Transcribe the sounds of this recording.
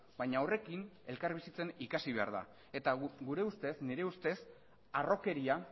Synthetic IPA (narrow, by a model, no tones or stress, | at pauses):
bajɲaore̞kine̞lkaɾβisit͡se̞nikasiβ̞e̞a̰ɾða̰ | e̞t̪aɡuɾe̞ust̪e̞sniɾe̞ust̪e̞s | aro̞ke̞ɾia